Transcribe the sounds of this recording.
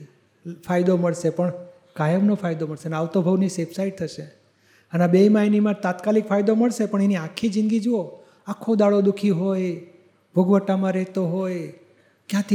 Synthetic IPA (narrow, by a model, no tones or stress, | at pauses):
fʰajd̪oməɭʃepəɳ | kajəmnofʰajd̪oməɭʃeneaʋt̪obʱəʋnisepsaiɖ̚t̪ʰəʃe | ənabeimajnimãt̪at̪kalikfʰajd̪oməɭʃepəɳeniãkʰid͡ʒĩŋɡid͡ʒuo | akʰːod̪aɭod̪ukʰiɦoj | bʱuɡʋəʈːamãɾɛɦt̪oɦoj | kjãt̪ʰi